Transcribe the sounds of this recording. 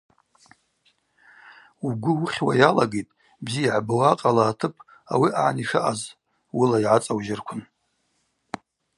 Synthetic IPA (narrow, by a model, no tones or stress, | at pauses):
uɡʷʊwuχʲwajalaɡejtʼ | bzijaʕbɨwaqʼalaːtʰɨpʼ | a̰wiʔaʕniʂaʔaz | wʊlaiʕat͡sʼawʒɪrkʷʰʊn